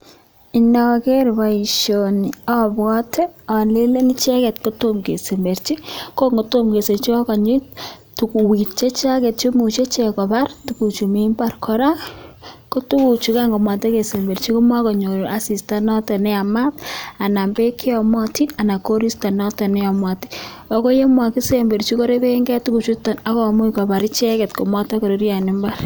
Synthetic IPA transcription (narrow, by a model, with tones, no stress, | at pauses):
i˨nɔ˨ke˦ɾba˨i˨ʃo˨ni˨ɔ˦bɡɔ˦tʰɛ˦ɔ˨le˦le˦ni˦t͡ʃa˦kɛ˨tko˦to˦mke˨se˨mbe˨ɾt͡ʃi˦ko˦ŋɡo˨to˦mke˨se˨t͡ʃɔ˦kɔ˨ɲi˦t | tu˨ku˨wi˨tt͡ʃe˦t͡ʃa˦ke˨t̚t͡ʃo˦mu˨t͡ʃe˦t͡ʃe˨kɔ˨ba˦rtuku˨t͡ʃu˨mi˦mba˨rkʰɔ˦ɾa˦ | ko˦tu˦ku˨t͡ʃu˨ka˦ŋɡo˨mwa˨te˦ke˨se˨mbe˨ɾt͡ʃi˦ko˦mwa˦ko˨ɲo˨ɾʔa˨si˨sta˦nɔ˦te˨nɛ˦a˨ma˦ta˨na˨mbe˦kʰi˦ɔ˨mɔ˦ti˦a˨na˨ko˦ɾi˦sta˨nɔ˦tɔ˨nɛ˦ɔ˨mwa˨ti̥˦ | ɔ˦ko˦je˦mwa˨ki˦se˨mbe˨ɾt͡ʃi˦ko˦ɾe˦ke˦e˦ŋɡɛ˦tu˦ku˨t͡ʃu˦tɔ˨na˦kɔ˨mu˦kɔ˨pa˨ɾɪ˦t͡ʃɛ˦ke˨tko˨mɔ˦tɔ˦ko˨ɾe˦ɾja˨ni˦mba˦r